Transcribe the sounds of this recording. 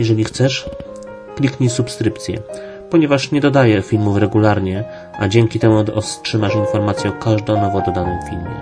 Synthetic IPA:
jɛʐɛlʲixt̪sɛʂ | klʲikɲisupskɾɘpt̪sʲjɛ̰ | pɔɲɛvaʂɲɛd̪ɔd̪ajɛfʲilmufɾɛɡulaɾɲɛ | ʔad͡ʑɛŋkʲit̪ɛmuɔstʂɘmaʂinfɔɾmat̪sʲjɛɔkaʐd̪ɔ̃nɔvɔd̪ɔd̪anɔ̃w̃fʲilmʲjɛ̰

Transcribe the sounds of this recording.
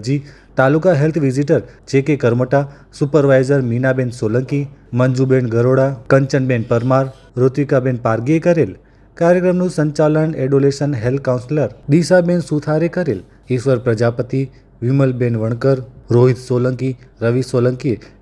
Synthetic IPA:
d͡ʒi | t̪alukaɦelt̪ʰʋiziʈəɾt͡ʃekekəɾməʈa | supəɾʋajzəɾminabẽnsoləŋkiməɲd͡ʒubenɡʱəɾoɽakəɲt͡ʃənbenpəɾmaɾ | ɾot̪ʋikabenpaɾɡiekəɾel | kaɾjəkɾəmnũsəɲt͡ʃaləneɖoleʃənɦelt̪̚ʰkaw̃nsləɾd̪iʃabensut̪ʰaɾekəɾel | iʃʋəɾpɾəd͡ʒapət̪i | ʋiməlbenʋəɳ̃kəɾɾoɦit̪soləŋki | ɾəʋisoləŋkie

